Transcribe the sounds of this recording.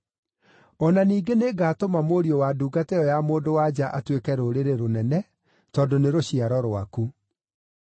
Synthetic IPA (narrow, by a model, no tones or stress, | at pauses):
ɔnaniːɡeneɡaːtomamoɾiɔwaduːɡateɔjamoːndowad͡ʒaʔatwekɛɾoɾeɾeɾonɛnɛ | tɔːdoneɾoɕiaɾɔɾwaku